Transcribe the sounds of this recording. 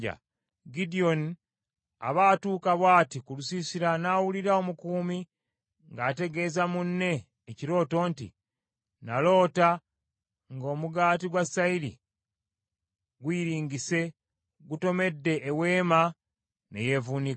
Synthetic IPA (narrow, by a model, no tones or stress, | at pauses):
a̰ | ɡidio̞n | a̰βaːtuːkaβwaːtikulusisiɾanaːwuliɾao̞mukuːmi | ŋɡaːte̞ɡe̞ːzamunːe̞ː | ciɾo̞ːto̞ːntḭ | nalo̞ːta | ŋɡo̞ːmuɡaːtiɡwasaiɾḭ | ɡwiːɾiːŋɡise̞ | ɡuto̞me̞dːe̞ʔːwe̞ːma | neje̞vuni